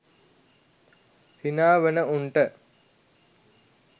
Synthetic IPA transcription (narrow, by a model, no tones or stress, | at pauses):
t̪inaːʋənəuɳʈə